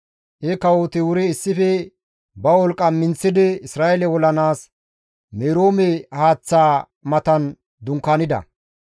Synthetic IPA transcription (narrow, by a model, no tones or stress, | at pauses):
ʔɛkɐwot̪ɪwʊɾɛːsːɪfɛ | bɐɔlkʼɐmːɪnt͡sːɪd̪ɪɪsɾaːjɛlɛwɔlɐnaːs | meːɾoːmɛhaːt͡sːaː | mɐt̪ɐn | d̪ʊŋkːanɪd̪ɐ̰